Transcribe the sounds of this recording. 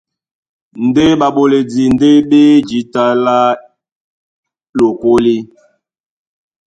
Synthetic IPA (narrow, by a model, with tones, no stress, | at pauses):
n̩˨de˦ɓa˨ɓo˨le˨di˨n˨de˦ɓe˦d͡ʒi˨˦ta˦la˦ | lo˨ko˦li˦